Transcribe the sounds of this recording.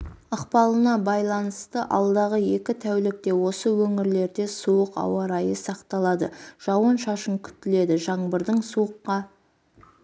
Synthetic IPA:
ɑqpɑlˠənɑbɑjlˠɑnəst̪əʔɑ̰lˠd̪ɑʁəje̞kʲɪt̪ʰæwlɪk̚t̪e̞wo̞səwɵŋɪɾle̞ɾd̪e̞suwəqɑ̰wɑɾɑjəsɑqt̪ɑlˠɑd̪əʒ̥ɑwənʃɑʃəŋkʲʰʏ̥t̪ːɪle̞d̪ɪʒɑɴbəɾd̪ɪŋsuəqːɑ

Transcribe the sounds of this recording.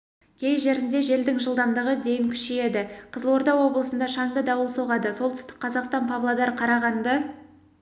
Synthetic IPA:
kʲʰe̞jʒe̞ɾɪnd̪e̞ʒe̞ld̪ɪŋʒəlˠd̪ɑmd̪əʁəd̪e̞jɪŋkʲʰʏ̥ʃeje̞d̪ɪqʰəzlˠwo̞ɾd̪ɑwːo̞blˠəsənd̪ɑʃɑɴd̪əd̪ɑwəlˠso̞ʁɑd̪əso̞lˠt̪ʰʏ̥st̪ɪ̥k̚qʰːɑzɑqst̪ɑnpʰavlˠad̪ɑɾqʰɑɾɑʁɑnd̪ə

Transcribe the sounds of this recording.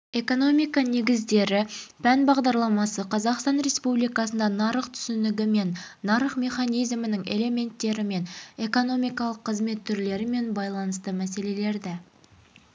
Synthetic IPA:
e̞ko̞no̞mijkɑne̞ɡʲɪzd̪e̞ɾɪpʰænbɑʁd̪ɑɾlˠɑmɑsəqʰɑzɑqst̪ɑnɾe̞spublijkɑsənd̪ɑnɑɾəqt̪ʰʏ̥sɪnɪɡʲɪme̞nːɑɾəχmʲe̞χɑnijzmɪnɪŋe̞̰le̞me̞nt̪ːe̞ɾɪme̞ne̞ko̞no̞mijkɑlˠəqʰːəzme̞t̪ʰːʏɾle̞ɾɪme̞nbɑjlˠɑnəst̪əmæse̞le̞le̞ɾd̪ɪ

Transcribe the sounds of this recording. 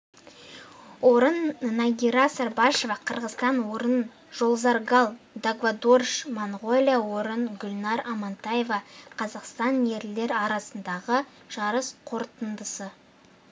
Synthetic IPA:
woɾənːaɡʲiɾasɑɾbɑʃe̞vɑqʰəɾʁəzt̪ɑnwo̞ɾən | ʒ̥o̞lˠzɑɾɡɑlˠ | d̪aɡvad̪orʃmaɴʁo̞lʲjawo̞ɾənɡʲʊlʲnɑɾɑmɑnt̪ɑje̞vɑqʰɑzɑqst̪ɑnje̞ɾle̞ɾɑɾɑsənd̪ɑʁə | ʒ̥ɑɾəsqʰo̞ɾt̪ənd̪əsə

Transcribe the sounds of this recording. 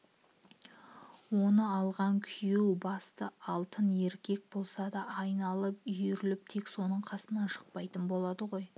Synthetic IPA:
wo̞nəɑlˠʁɑŋkʲʰʏjuwbɑst̪əɑlˠt̪əne̞ɾkʲe̞k̚bo̞lˠsɑd̪ɑːjnɑlˠəpʏjɾɪlɪp̚t̪ʰe̞kso̞nəɴqʰɑsənɑnʃə̥q̚pɑjt̪ənbo̞lˠɑd̪əʁo̞j

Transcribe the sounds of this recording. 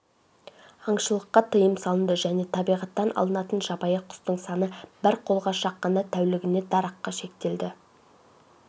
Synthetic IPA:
ɑɴʃəlˠəqːɑt̪ʰəjəmsɑlˠənd̪əʒæne̞t̪ʰɑbijʁɑt̪ːɑnʔɑ̰lˠənɑt̪ənʒɑbɑjəqʰʊ̥st̪əɴsɑnəbɪɾqʰo̞lˠʁɑʃɑqːɑnd̪ɑt̪ʰæwlɪɡʲɪne̞d̪ɑɾɑqːɑʃe̞k̚t̪e̞ld̪ɪ

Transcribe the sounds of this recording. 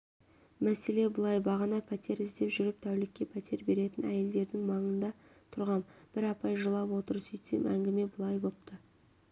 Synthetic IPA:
mæse̞le̞bʊlˠɑjbɑʁɑnɑpʰæt̪ʰe̞ɾɪzd̪e̞pʒʏɾɪp̚t̪ʰæwlɪkʲːe̞pʰæt̪ʰe̞ɾbe̞ɾe̞t̪ɪnæ̰je̞ld̪e̞ɾd̪ɪŋmɑɴənd̪ɑt̪ʰʊɾʁɑmb̥ɪɾɑpɑjʒəlˠɑpwo̞t̪əɾsʏjt̪ḛmæ̰ŋɡʲɪme̞bʊlˠɑjbo̞p̚t̪ʰə

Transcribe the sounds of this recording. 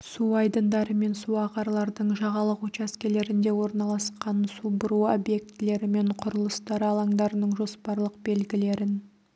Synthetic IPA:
suɑjd̪ənd̪ɑɾəme̞nsuɑqɑɾlˠɑɾd̪əɴʒɑʁɑlˠəqot͡ʃaskʲe̞le̞ɾɪnd̪e̞wo̞ɾnɑlˠɑsqɑnsubʊɾuo̰bje̞k̚t̪ɪle̞ɾɪme̞ɴqʰʊɾəlˠəst̪ɑɾɑlˠɑŋd̪ɑɾənəɴʒo̞spɑɾlˠəq̚be̞lɡʲɪle̞ɾɪn

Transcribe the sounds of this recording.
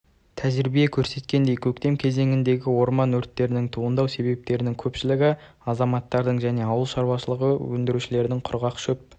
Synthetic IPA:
t̪ʰæʒɪɾbijekʲʰɵɾse̞t̪kʲe̞nd̪e̞jkʲʰɵkt̪e̞mkʲʰe̞ze̞ŋɪnd̪e̞ɡʲɪwo̞ɾmɑnwɵɾt̪ːe̞ɾɪnɪŋt̪ʰuʁənd̪ɑwse̞be̞p̚t̪e̞ɾɪnɪŋkʲʰɵpʃɪlɪɡʲɪ | ɑzɑmɑt̪ːɑɾd̪əɴʒæne̞ɑwəlˠʃɑɾwɑʃəlˠəʁəwɵnd̪ɪɾuʃɪle̞ɾd̪ɪŋqʰʊɾʁɑqʃɵp̚

